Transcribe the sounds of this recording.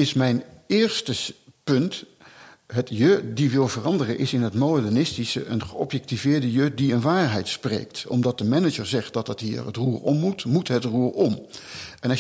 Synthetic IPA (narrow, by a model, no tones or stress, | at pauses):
ɪsmɛjnɪːɹstəpɵnt | ɦətjødiʋɪlˠvərɑndərənʔɪsɪnɦətmowdɛnɪstisə̰ʔənχəɔpjɛk̚tivɪːɹdəjødiənʋaːɹɦɛjtsprḛjktɔ̰mdɑt̚dəmɛnəd͡ʒəɹzɛχt̚dɑtətɦḭːɹə̰truːrɔmːutmutɦətruːrɔmɛnɑ